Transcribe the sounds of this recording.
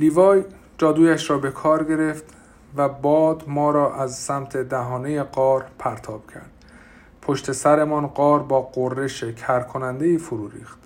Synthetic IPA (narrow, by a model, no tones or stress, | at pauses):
livɒːj | d͡ʒɒːd̪uːjæʃɾɒːbe̞kʰɒːɾɟe̞ɾe̞ft̪ | væbɒːd̪mɒːɾɒːʔæzsæmt̪ʰe̞d̪æɦɒːne̞je̞ɡɒːɾpʰæɾt̪ʰɒːb̥cʰæ̰ɾd̪̥ | pʰoʃt̪ʰe̞sæɾe̞mɒnɢɒːɾbɒːɡorːe̞ʃe̞cʰæɾkʰonænd̪e̞iːfoɾuːɾḭːχt̪